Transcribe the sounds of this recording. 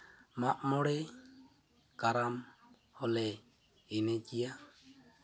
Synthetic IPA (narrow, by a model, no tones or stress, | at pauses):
maʔmɔɽɛ | kaɾam | hɔlɛ | inɛd͡ʒija